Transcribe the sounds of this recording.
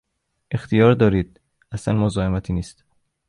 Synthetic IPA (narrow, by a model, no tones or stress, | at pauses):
ʔe̞xt̪ʰijɒːɾd̪ɒːɾiːd̪̥̚ | æsænmozɒːemæt̪ʰiːniːst̪